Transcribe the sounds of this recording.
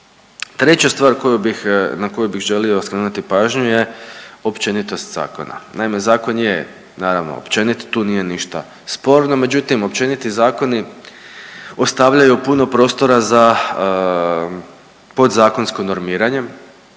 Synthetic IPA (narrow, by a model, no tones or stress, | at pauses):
t̪ɾe̞t͡ɕast̪ʋaːɾkojubixnako̞jubiɣʒe̞lio̞skɾeːnut̪ipaːʒɲuje̞o̞pt͡ʃe̞nit̪o̞st̪z̥a̰ːko̞̰na̰naime̞zaːko̞nje | naːɾaʋno̰o̰pt͡ʃe̞nit̪t̪uːnije̞niʃt̪a̰ | spo̞ːɾnome̞d͡ʒut̪imo̞pt͡ʃe̞nit̪izaːko̞ni | o̞st̪aʋʎajupuno̞pɾo̞ːst̪o̞ɾaza | po̞d̪zaːko̞nskono̞ɾmiːɾaɲe̞